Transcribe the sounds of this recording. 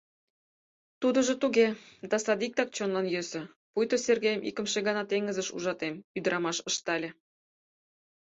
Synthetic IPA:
t̪ud̪ɤ̆ʒŏt̪uɣed̪ɑsɑd̪ik̚t̪ɑk̚t͡ɕonlɑnjøsɘ̆ | pujt̪oserɡejəmʔḭkə̆mʃeɣɑnɑt̪eŋɡə̆zə̆ʃṵʒɑt̪emyd̪ə̆ɾʔɑmɑʃə̆ʃt̪ɑlʲĕ

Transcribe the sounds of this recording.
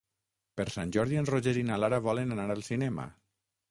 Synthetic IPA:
pəɾsanʲʒɔɾðienroʒeɾinalaɾaβ̞ɔlenanaɾalˠsinɛma̰

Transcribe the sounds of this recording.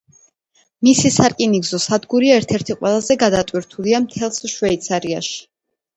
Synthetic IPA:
misisaɾkʼiniɡzɔsad̪ɡuɾiaɛɾt̪ʰɛɾt̪ʰiqʼwɛlˠazɛɡad̪at̪ʼwiɾt̪ʰuliamt̪ʰɛlˠsʃwɛit̪sʰaɾia̰ʃi̥

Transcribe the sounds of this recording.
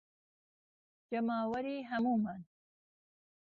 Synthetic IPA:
d͡ʒamɑwaɾiɦamuman

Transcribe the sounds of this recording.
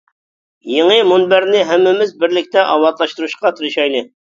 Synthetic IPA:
jeŋɨmunbæɾnɪɦɛmːɪmɪzbɪɾlɪk̚ʲt̪ɛʔɑ̰wɑt̪lˠɑʃt̪uɾuʃqɑt̪ʰyɾʃɑjlˠɨ

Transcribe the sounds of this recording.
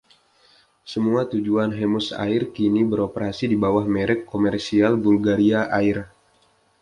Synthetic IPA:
səmuat̪ud͡ʒuanɦemʊsa̰ɪrkinibəɾopəɾasidibawahmeɾɛkːomɛrsialbulɡaɾiaʔaɪr

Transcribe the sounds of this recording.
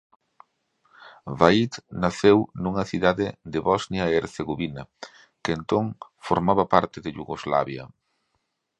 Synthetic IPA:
vait̪naθewnuŋɐθiðaðɪd̪ɪβɔznjɐeeɾθeɣoβinɐ | keent̪oŋfoɾmaβɐpaɾt̪ɪðɪʎuɣozla̰βjɐ̰

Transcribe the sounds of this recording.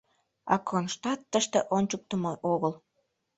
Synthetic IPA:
ɑ̰kʰonʃt̪ɑt̪ːəʃt̪eʔonʲt͡ɕuk̚t̪əmoʔoɣəl

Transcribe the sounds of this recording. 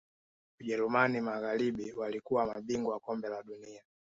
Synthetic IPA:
uʄɛɾumanimaɣaliɓiwalikuwamaɓiŋɡɔakɔmbɛlaɗunia

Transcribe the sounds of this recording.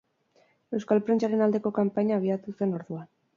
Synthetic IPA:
e̞wskalpɾe̞nt͡ʃaɾe̞nald̪e̞ko̞kampaɲaβ̞iat̪use̞no̞ɾðuan

